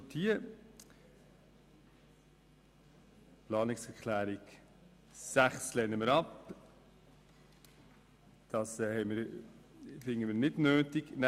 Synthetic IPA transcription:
tʰiə | plɑːnɪksɛkʰlæːɾiɡ | sæχslɛnəməɾɑp | d̥ɑsɛhɛɪmɪɾ | sɪŋːənmiːɾnɪdnøːtɪkn

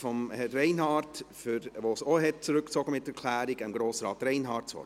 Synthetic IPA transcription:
fɔmhɛrːɛɪnɦɑːɾtfyɾʋoːsoɦɛtt͡suɾʏkt͡sɔɡəmɪtːɛɾkʰlæːɾiɡɪmɡ̥ɾoːsɾɑːtɾɛɪnɦɑːɾtt͡sɔ̰

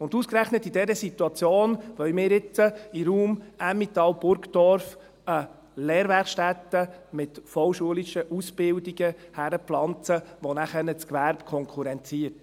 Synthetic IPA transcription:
ʊnduskɾæχnətːidɛɾəsit̪uɑt͡sjoːnʋœɥmɪːɾɪt͡səiɾuːmæmːit̪ɑwb̥ʊɾkd̥ɔɾf | ə | lɛːɾʋæɾχʃtætːəmɪtfɔwʃuəliʃəʔusb̥ɪldiɡəhæɾəpflɑnt͡səʋɔnæχɛnət͡skʋæɾpkʰɔŋkʰuɾɛnt͡siəɾt

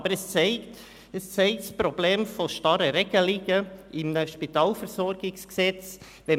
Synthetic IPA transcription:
bəɾɛst͡sɛɪt | ɛst͡sɛɪtspɾobleːmfoʃtɑɾəɾɛɡ̥əliːɡəʔɪmnəʃpitɑːlfəɾsɔɾɡɪksksɛt͡s | vɛ

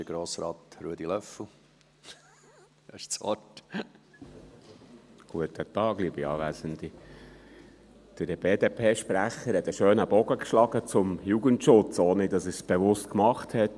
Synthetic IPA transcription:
d̥əɡ̥ɾoːsɾɑːt̪ɾuədilœfl̩ˠ | ʃt͡sɔ̰t | ɡ̥uətətɑːɡliːbiɑ̰ːʋæzənd̥̪i | d̥əb̥eːdeːpʰeːʃpɾæχəɾhɛt̪əʃøːnəbɔɡəkʃlɑɡət͡sʊmjuːɡəntʃʊt͡soːnɪdɑsəsb̥eʋʊstkmɑχthɛt

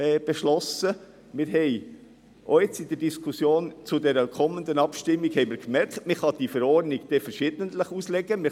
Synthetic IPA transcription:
ɛːb̥eʃlɔsə | mɪɾɦɛɪ | ʔoet͡sidəɾd̥iskʰusjoːnt͡sudɛɾəkʰɔmənd̪ənɑpʃtɪmːiɡhɛɪmɪːɾkmɛɾkt̪mɪχɑd̥ifɛɾɔrdniɡd̥efɛɾʃɪːd̥̪ənt̪ləχuslɛɡəmɪ

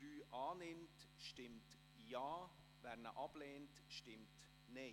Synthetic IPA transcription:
ɾyːʔaːnɪmtʃtɪmt | jaː | vɛɾnə̰ʔɑb̥leːntʃtɪmt | ne

